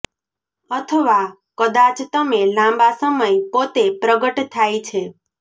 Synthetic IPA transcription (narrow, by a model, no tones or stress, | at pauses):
ət̪ʰəʋa | kəd̪at͡ʃt̪əmelãmbasəməjpot̪epɾəɡəʈt̪ʰajt͡ʃʰe